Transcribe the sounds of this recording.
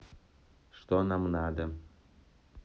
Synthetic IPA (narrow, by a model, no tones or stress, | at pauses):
ʃt̪ɔnamnad̪ɪm